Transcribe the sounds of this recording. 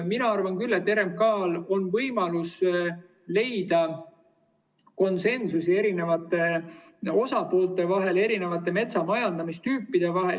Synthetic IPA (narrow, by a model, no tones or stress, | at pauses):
minɑɑrvɑnkylːe̞t̪ːe̞ɾe̞m̚kɑːlo̞nvɤjmɑlus | le̞jd̪̥ɑ | ko̞nse̞nsusie̞ɾine̞vɑt̪ːˑe̞ | o̞sɑpo̞ːlt̪ːˑe̞vɑɦe̞le̞ɾine̞vɑt̪ːˑe̞me̞t̪sɑmɑjɑnd̪̥ɑmist̪yːpːˑid̪̥e̞vɑɦe̞̰l